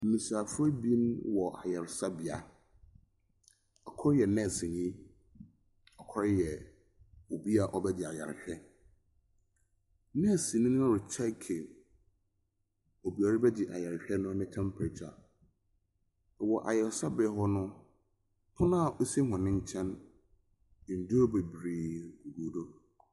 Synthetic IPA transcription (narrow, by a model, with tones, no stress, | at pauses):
m̩˨mĩ˨saː˨fʊ˦ɛ˦bĩ˦nwɔ˨ʔa̰˨jɛ˨ɾsa˦bɪ˨a˨ | ɔ˨kʰɔ˦ɾjɛ˨nɛ̃˦˨sɪ˨ɲĩ˦ | ɔ˨kʰɔ˦ɾjɛ˨ | o˨bi˦a˨ʔɔ˦bɛ˦dɪ˨a̰˨jɛ̰˨ɾɕᶣɛ˦ | nɛ̃˦˨sɪ˨nɪ̃˦ñ˦ã˦ɾʊ˨t͡ɕʰɛ˦kʰe˨ | o˨bi˨a˨ɾɪ˦bɛ˦dɪ˨ʔa˨ja˨ɾɕᶣɛ˦nʊ̃˦nɪ̃˦tʰɛ̃˦m˦pʰɪ˨ɾt͡ɕʰa˨ | wɔ˨ʔa̰˨jɛ˨ɾsa˦bɛ˨˦ɦɔ˦nʊ̃˦ | pʰʊ̃˦nã˦˨ʔo˦si˦ɦʊ̃˨nɪ̃˦ɲ̩˦t͡ɕʰɛ̃˦n˨ | n̩˨du˦o˦be˨bɾiː˨ɡu˨ɡuː˨do˦